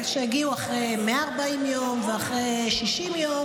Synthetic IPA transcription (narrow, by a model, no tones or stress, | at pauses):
ʃejaɡiuaχʁejmeaːʁbaimjomveaχʁejʃiʃimjo